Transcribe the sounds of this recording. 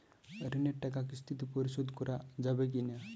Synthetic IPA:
ɾineʈʈːakak̬ist̪ʰit̪ipɔɾiɕod̪kuɾad͡zabek̬inja

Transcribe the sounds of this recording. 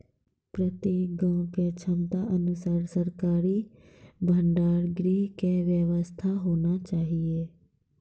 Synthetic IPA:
pɾət̪eːkɡãõket͡ʃʰəmt̪aʔənʊsaːɾsəɾkaːɾi | bʱə̃ɳɖaːɾɡɾiːɦkeʋjəʋəst̪ʰaɦoːnat͡ʃaːɦieː

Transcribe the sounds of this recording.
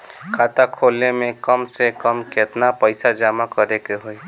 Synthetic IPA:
kʰaːt̪akʰoːlnemẽkəmsekəmket̪napəɪsad͡ʒaːmakəɾekeɦoi

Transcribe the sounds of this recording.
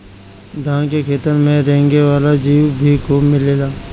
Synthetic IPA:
d̪ʱãːnkekʰeːt̪əɾmẽɾɛɦŋɡeʋaːlad͡ʒiːʋbʱikomɪleːlaː

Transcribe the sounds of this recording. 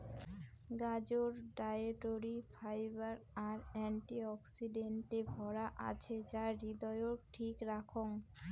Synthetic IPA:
ɡad͡ʑoɾɖajeʈoɾifʰajbaɾaɾɛɳʈiɔksiɖeɳʈebʱɔɾaʔa̰t͡ɕʰed͡ʑaɾid̪ɔjoʈʰikɾakʰoŋ

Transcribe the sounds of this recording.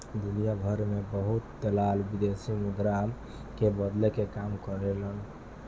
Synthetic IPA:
d̪unijabʱəɾmebəɦut̪ːelalbid̪esimuɡ̪ɾam | kebəd̪lekekamkəɾelən

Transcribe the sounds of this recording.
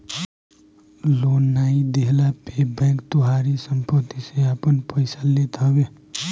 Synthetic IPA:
loːnːaːid̪eɦlapebɛ̃ːkt̪oɦaːɾisəmpət̪ːiseapənpəɪsalet̪ɔ̃ɡe

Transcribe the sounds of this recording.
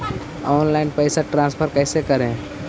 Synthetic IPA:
ɔːnlaɪnpəɪsaʈɾãːnspʰəɾkəɪsekəɾẽ

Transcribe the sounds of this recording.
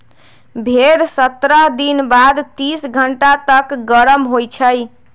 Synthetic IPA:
bʱeɾsət̪ɾəɦd̪inbad̪t̪isɡʱəɳʈat̪əkɡəɾəmɦojt͡ʃʰəj

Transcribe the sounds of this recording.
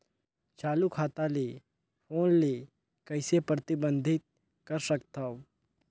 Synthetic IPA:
t͡ʃaːlukʰaːt̪ale | pʰoːnle | kɐɪsepɾət̪ɪbə̃nd̪ʱɪt̪̚ | kɐɾsəkt̪ao

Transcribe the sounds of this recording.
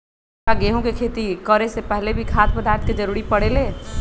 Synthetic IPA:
aɡeɦõkekʰeːt̪ikəɾesepɛɦlebʱikʰat̪pəd̪aːɾt̪ked͡ʒəɾuːɾipəɽeleː

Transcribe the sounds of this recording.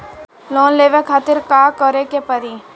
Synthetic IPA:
lɔːnleːʋekʰaːt̪ɪɾkaːkɔɾekepəɾi

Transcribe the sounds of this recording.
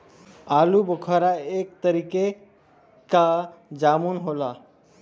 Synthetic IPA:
aːlubəkʰəɾaek̚t̪əɾike | kad͡ʒaːmunɦola

